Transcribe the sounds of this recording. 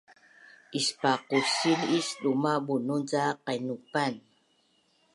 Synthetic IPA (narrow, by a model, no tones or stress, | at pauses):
ʔispaquɕinisdumabununzaqajnupan